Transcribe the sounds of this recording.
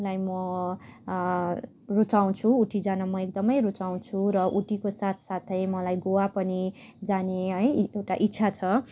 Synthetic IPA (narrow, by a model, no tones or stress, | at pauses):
lajmʌ | rut͡saw̃t͡sʰuːʈʰid͡zanamʌek̚d̪ʌmʌjrut͡saw̃t͡sʰuɾʌʔuʈikosat̪ʰsat̪ʰʌjmʌlajɡowapʌni | d͡zaneɦʌjewʈaʔitːt͡sʰat͡sʰʌ